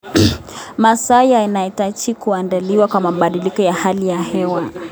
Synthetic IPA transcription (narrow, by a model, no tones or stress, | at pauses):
masajainaitat͡ʃikuandaliwakwamaɓaɗilikɔjahalijahɛwa